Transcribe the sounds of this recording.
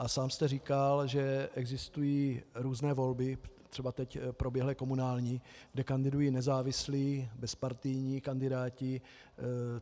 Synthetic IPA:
ʔasaːmst̪ɛr̝iːkalʒɛʔɛɡzɪst̪ujiːɾuːznɛːvo̞lbɪt̪r̝̥ɛbat̪ɛcpɾo̞bjɛɦlɪko̞munaːlɲiɡ̥dɛkandɪdujiːnɛzaːvɪsliːbɛspaɾt̪ɪjɲiːkandɪdaːcɪ

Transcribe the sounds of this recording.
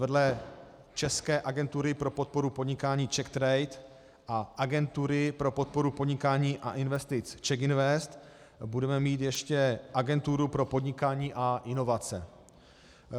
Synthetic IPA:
vɛdlɛ | t͡ʃɛskɛːʔaɡɛnt̪uɾɪpɾo̞po̞t̪̚po̞ɾupo̞dɲɪkaːɲiːt͡ʃɛkt̪ɾɛjt̪ | ʔaʔaɡɛnt̪uɾɪpɾo̞po̞t̪̚po̞ɾupo̞dɲɪkaːɲiːʔa̰ʔɪnvɛst̪ɪt͡st͡ʃɛkɪnvɛst̪ | budɛmɛmiːt̪jɛʃcɛʔaɡɛnt̪uɾupɾo̞po̞dɲɪkaːɲiːʔaʔɪno̞vat͡sɛ̰

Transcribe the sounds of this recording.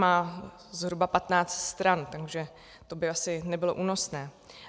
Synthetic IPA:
maː | zɦɾubapat̪naːt͡st̪st̪ɾant̪aɡʒɛ | t̪o̞bɪasɪnɛbɪlo̞ʔuːno̞snɛː

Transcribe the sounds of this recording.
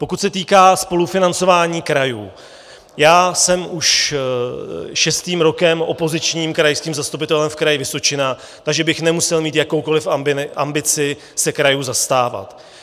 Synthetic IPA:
po̞kut̪sɛt̪iːkaːspo̞lufɪnant͡so̞vaːɲiːkɾajṵː | jaːsɛmuʃ | ʃɛst̪iːmɾo̞kɛmʔo̞̰po̞zɪt͡ʃɲiːmkɾajskiːmzast̪up̬ɪt̪ɛlɛmfkɾajɪvɪso̞t͡ʃɪna | t̪aɡʒɛbɪxnɛmusɛlmiːt̪jako̞wko̞lɪfɪʔa̰mbɪt͡sɪ | sɛkɾajuːzast̪aːva̰t̪

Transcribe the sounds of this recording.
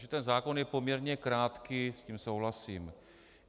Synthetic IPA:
ʒɛt̪ɛnzaːko̞njɛpo̞mɲɛɾɲɛkɾaːt̪kɪsciːmso̞wɦlasiːm

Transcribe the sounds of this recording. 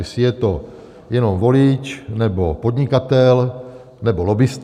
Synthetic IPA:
sɪjɛt̪o | jɛnomvolit͡ʃnɛbopod̪ɲɪkat̪ɛl | nɛbolobɪst̪

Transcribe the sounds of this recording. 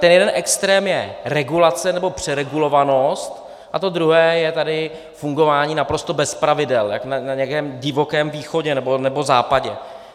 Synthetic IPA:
t̪ɛnjɛdɛnʔɛkst̪ɾɛːmjɛɾɛɡulat͡sɛnɛbo̞pr̥ɛɾɛɡulo̞vano̞st̪ | ʔat̪o̞d̪ɾuɦɛːjɛt̪adɪ | fuŋɡo̞vaːɲiːnapɾo̞st̪o̞bɛspɾavɪdɛljaknanaɲɛakɛːmɟɪvo̞kɛːmviːxo̞ɟɛnɛbo̞nɛbo̞za̰ːpaɟɛ̰

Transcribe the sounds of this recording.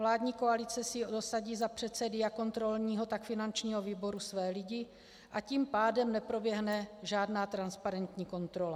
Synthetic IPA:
vlaːdɲiːko̞alɪt͡sɛsɪdosaɟiːzapr̝̥ɛt̪sɛdɪjako̞nt̪ɾo̞lɲiːɦo̞t̪akfɪnant͡ʃɲiːɦo̞viːbo̞ɾusvɛːlɪɟɪ | ʔaciːmpaːdɛmnɛpɾo̞bjɛɦnɛʒaːdnaːt̪ɾanspaɾɛnt̪ɲiːko̞nt̪ɾo̞la

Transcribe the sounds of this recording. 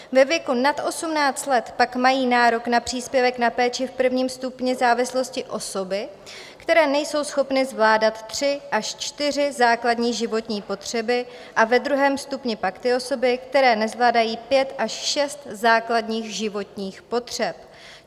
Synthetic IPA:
vɛvjɛkunat̪ʔo̞sumnaːt͡st̪lɛt̪pakmajiːnaːɾo̞knapr̝̥iːspjɛvɛknapɛːt͡ʃɪfpr̩vɲiːmst̪upɲɪzaːvɪslo̞scɪʔo̞so̞bɪ | kt̪ɛɾɛːnɛjso̞wsxo̞pnɪzvlaːdat̪ːr̝̥ɪʔaʃt͡ʃt̪ɪr̝ɪzaːkladɲiːɣʒɪvo̞t̪ɲiːpo̞t̪r̝̥ɛbɪ | ʔavɛd̪ɾuɦɛːmst̪upɲɪpakt̪ɪo̞so̞bɪkt̪ɛɾɛːnɛzvlaːdajiːpjɛt̪ʔaʃʃɛst̪zaːkladɲiːxʒɪvo̞t̪ɲiːxpo̞t̪r̝̥ɛp̚

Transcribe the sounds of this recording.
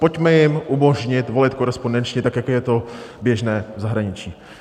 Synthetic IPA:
po̞cmɛjɪmʔumo̞ʒɲɪt̪vo̞lɪt̪̚ko̞ɾɛspondɛnt͡ʃɲɪt̪akjakojɛt̪objɛʒnɛːvzaɦɾaɲɪt͡ʃiː

